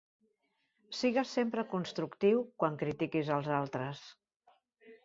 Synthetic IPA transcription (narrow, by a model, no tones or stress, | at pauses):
siɣəsempɾəkunst̪ɾukt̪iwkwaŋkɾit̪ikizəlˠzalˠt̪ɾəs